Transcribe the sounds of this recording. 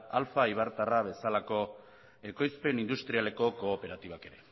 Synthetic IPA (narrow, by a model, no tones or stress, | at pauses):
alfaiβ̞aɾt̪araβ̞e̞salako̞ | e̞ko̞jspe̞nind̪ust̪ɾiale̞ko̞ko̞ːpe̞ɾat̪iβake̞ɾe̞